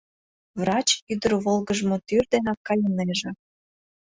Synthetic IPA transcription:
vrɑt͡ɕyd̪əɾβolɣəʒmot̪yrd̪enɑkːɑjəneʒĕ

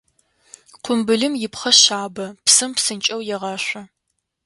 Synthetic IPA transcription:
qʷʰʊmbɨɮɨmjɪpχɐɕaːbɐpsɨmpsɨnt͡ʃʼɐwjɛʁɑːɕʷɐ

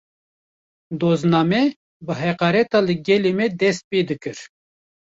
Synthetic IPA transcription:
d̪oːznɑːmɛ | bɨɦɛqɑːɾɛt̪ɑːlɨɡɛlemɛd̪ɛst̪̚ped̪ɨkɨɾ

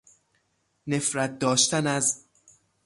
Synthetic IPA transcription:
ne̞fɾæt̪̚d̪ɒːʃt̪ænæz

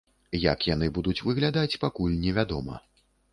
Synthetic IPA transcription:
jɐ̰kjan̪ɨbud̪ut͡sʲvɨɣlʲad̪at͡sʲpakulʲnʲɛvʲad̪ɔmɐ̰

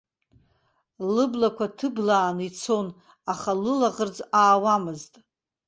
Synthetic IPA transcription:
lɨblakʷʰatʰɨblaːnit͡sʰon | aχalɨlaʁərd͡zaːwamɨztʼ

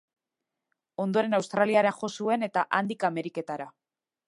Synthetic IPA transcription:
o̞nd̪o̞ɾe̞nawst̪ɾaliaɾenʝo̞sue̞ne̞t̪aʔand̪ikame̞ɾike̞t̪aɾa

